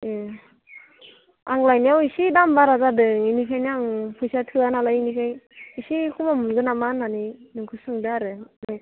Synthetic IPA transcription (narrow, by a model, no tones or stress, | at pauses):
e | aŋlajnjawisidambaɾazadɯŋinikʰajniaŋpʰujsatʰɯanalajinikʰajisikʰubamunɡɯnamananinɯŋkʰɯsɯŋdɯaɾɯni